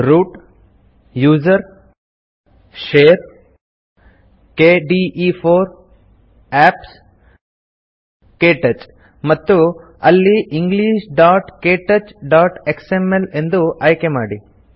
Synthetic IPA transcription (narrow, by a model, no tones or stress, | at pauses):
ɾuːʈ | juːd͡ʒɐɾ | ʂeːɾ | keːɖiipʰoːɾ | æːps | keːʈet͡ʃ | mɐt̪ːu | ɐlːiʔiŋɡliːʃɖaːʈkeːʈet͡ʃɖaːʈeksemele̞nd̪uɐjkemaːɽi